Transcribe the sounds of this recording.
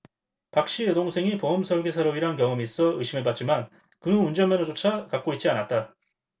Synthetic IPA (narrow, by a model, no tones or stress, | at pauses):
pak̚ɕ͈iedoŋsʰe̞ŋipoʌmsʰʌɭɡesʰaɾoiɾankjʌŋɯmis͈ʌɯɕʰimeɭpat̚t͡ɕiman | kɯnund͡ʑʌnmʌnʌd͡ʑot͡ɕʰakak̚k͈oit̚t͡ɕ͈ianat̚t͈a